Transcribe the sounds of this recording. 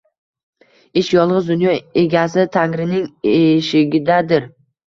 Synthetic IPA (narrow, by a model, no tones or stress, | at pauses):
ɪʃjɒlˠʁɨzd̪ʊnjɒe̞ɡʲasɪt̪ʰaŋɾɪnɪŋeʃɪɡʲɪd̪ad̪ɪɾ